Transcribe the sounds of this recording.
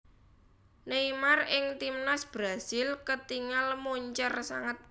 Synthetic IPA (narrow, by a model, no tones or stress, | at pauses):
neimarɪŋt̪imnasb̥ɾasɪlkət̪iŋalmoɲt͡ʃərsa̰ŋət̪̚